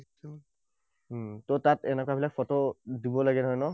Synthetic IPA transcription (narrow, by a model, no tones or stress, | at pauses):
tɔtatɛnɛkwabilakfʰɔtɔdibɔlaɡɛnɔjnɔ